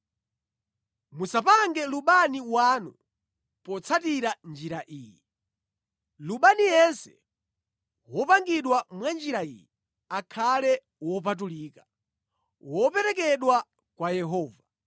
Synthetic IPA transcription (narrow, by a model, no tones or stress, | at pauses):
musapaŋɡɛluɓaniwanu | pɔt͡sʰatiɾand͡ʒiɾaʔiːjɛ | luɓanijɛnsɛ̥ | wɔpaŋɡiɗwamwand͡ʒiɾaijɛ | akʰalɛ | wɔp̬at̬uliːka | wɔpɛɾɛk̬ɛɗwa | kwajɛɦɔːva